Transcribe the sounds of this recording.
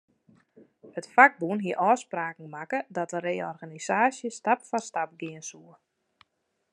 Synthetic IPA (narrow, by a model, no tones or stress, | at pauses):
hətfaɡ̚bunɦiəʔɔːspraːkŋ̩makədɔtəɾeːɔrɣanisaːsjəstapfɔstap̚ɡɪənsuə